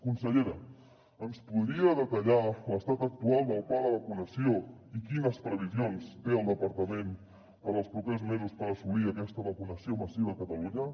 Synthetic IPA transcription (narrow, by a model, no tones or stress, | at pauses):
kunsəʎeɾə | ənspuðɾiəðət̪əʎaləst̪at̪ək̚t̪ualˠd̪əlˠpaləβəkunəsioikinəspɾəβ̞izjonst̪eəlˠd̪əpəɾt̪əmẽn | pəɾəlˠspɾupezmezuspəɾəsuβiakɛst̪əβəkunəsioməsiβakət̪əluɲə